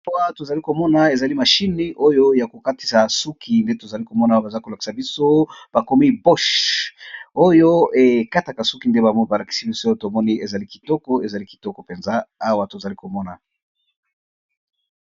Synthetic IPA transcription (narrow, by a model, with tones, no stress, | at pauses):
a˦wa˦to˨za˨li˦ko˨mɔ˦na˨e˨za˨li˦ma˨ʃi˦ni˦ʔo˦jo˦ja˨ko˨ka˦ti̥˨sa˨su˦ki˨nde˦to˨za˨li˦ko˨mɔ˦na˨˦ba˨za˦ko˨la˨ki̥˨sa˨bi˦so˦b̥a˨ko˦mi˦bo˦ʃ | o˦jo˦e˨ka˦ta˨ka˨su˦ki˨nde˦ba˨m˦ba˨la˨ki̥˨si˦bi˦so˦to˨mɔ˦ni˦e˨za˨li˦ki̥˨tɔ˦kɔ˦e˨za˨li˦ki̥˨tɔ˦kɔ˨pe˨nzaː˦wa˦to˨za˨li˦ko˨mɔ˦na˨